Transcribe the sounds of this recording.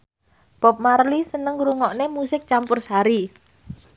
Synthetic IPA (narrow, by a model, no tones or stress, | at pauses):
b̥ɔ̤p̚marlisənəŋɾuŋɔʔnemusɪk̚t͡ʃampʊrsaɾi